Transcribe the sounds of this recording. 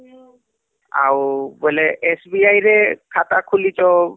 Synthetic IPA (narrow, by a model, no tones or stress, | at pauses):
a̰wbɔlɛʔɛsbiajɹɛkʰatakʰulitɔ